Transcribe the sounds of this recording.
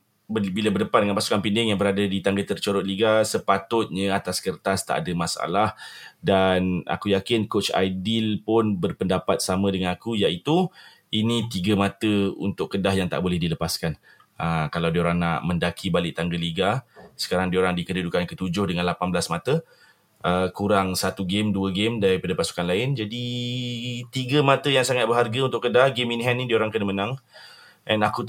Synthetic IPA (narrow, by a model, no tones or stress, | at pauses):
bəbilabərdəpandəŋanpasu̥kanpindɪŋjaŋbəɾadadit̪aŋɡət̪ərt͡ʃoɾʊʔ̪̚liɡasəpat̪ʊt̪̚ɲə̃at̪askərt̪ast̪a̰ʔa̰dəmasa̰lahdana̰kujakɪnkot͡ʃa̰jdilpʊnbərpəndapat̪̚samə̃dəŋanakujaʔit̪u | inĩt̪iɡəmat̪əṵnt̪ʊʔkədahjaŋt̪a̰ʔbolɛhdiləpaskan | ʔəkalawdioɾaŋna̰ʔmə̃ndakʰibalɪʔt̪aŋɡəliɡasə̥kaɾaŋdioɾaŋdikədədukankət̪ud͡ʒʊhdəŋãnlapanblasmat̪ə | ʔəkuɾaŋsat̪uɡemduəɡemdaɾipadapasu̥kanlaɪnd͡ʒadi | t̪iɡəmat̪əjaŋsaŋat̪̚bəɦarɡaunt̪ʊʔkːədahɡeminɦɛnnĩdioɾaŋkənəmənãŋ | ʔɛnaku